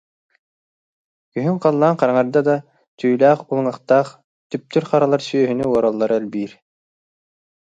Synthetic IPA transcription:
kɵ̆ɦɵŋqɑlˠːɑɴqɑɾɑɴɑɾd̪ɑd̪ɑ | t̪ʰyjlæːqulˠŋɑqt̪ɑq | t̪yp̚t̪ɵɾqɑɾɑlˠɑɾsyjœɦy̆nœwɑɾɑlˠːɑɾɛlbiɾ

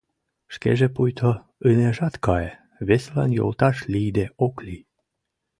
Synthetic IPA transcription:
ʃkḛʒepujt̪ʰo | əneʒɑt̪kɑe | βeslɑ̰njo̰lt̪ɑʃlijd̪eʔokli

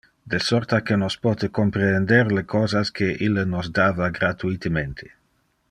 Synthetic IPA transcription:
d̪esɔɾt̪akenospɔːt̪ekompɾend̪eɾlekʰɔːzaskeʔilːnozd̪aːvaɡɾat̪uit̪ement̪ʰe

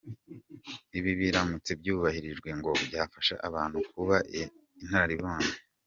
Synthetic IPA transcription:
iβiβiɾamut͡se̞bjuːβahiɾiʒɡwe̞ŋɡo̞bjaːfaʃa̰ʔaβaːn̥hukuβaʔ | in̥haɾaɾiβoːne

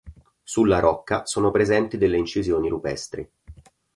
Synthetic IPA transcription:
sulːaɾʔɔkːasoːnopɾezɛnt̪id̪elːeint͡ʃizjoːniɾupɛ̰st̪ɾḭ

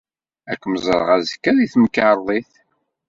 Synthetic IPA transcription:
ækːməzˤəɾˤə̰ʁæzkːæðiθməkːaɾˤðˤiθ

